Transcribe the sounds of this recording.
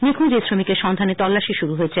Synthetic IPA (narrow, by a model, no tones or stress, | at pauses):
nikʰud͡ʑesɾomikeɾʃɔnd̪ʱanet̪ɔlːaʃiʃuɾuɦojet͡ɕʰe